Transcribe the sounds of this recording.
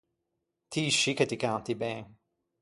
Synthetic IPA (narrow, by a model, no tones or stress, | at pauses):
t̪ʰiːʃikɐt̪ikãw̃nt̪ibɛ̃ːŋ